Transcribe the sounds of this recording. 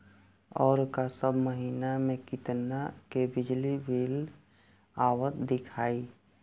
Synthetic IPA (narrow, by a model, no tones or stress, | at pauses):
ɔːɾkasəbʱməɦiːnamẽkɪt̪nakebɪd͡ʒlibʱiːl | aːwət̪d̪ɪkʰaːi